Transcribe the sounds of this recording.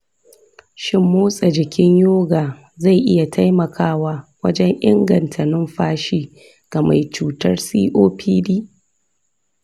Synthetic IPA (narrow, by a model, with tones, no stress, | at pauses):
ʃɪ˦mːoː˦sʼa˨d͡ʒɪ˨kʲɪ˦ɲjoː˦ɡaː˨ | za˦˨jʔɪ˦ja˨tʰa˦jmɐ˨kʰaː˦waː˦wɐ̰˦d͡ʒɛ˦ŋʔɪ̰˦ŋɡɐ˨ntʰɐ˨nɪ˦mɸaː˦ʃiː˦ | ɡ̥a˨ma˨jt͡ʃuː˨tɐ˦rsiː˦ʔoː˦pʰiː˦diː˦